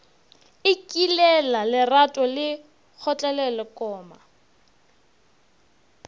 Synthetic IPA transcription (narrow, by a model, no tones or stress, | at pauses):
ɪkʼilɛlalɪratʼɔlɪ | k͡xʰɔt͡ɬʼɛlɛlɔkʼɔːma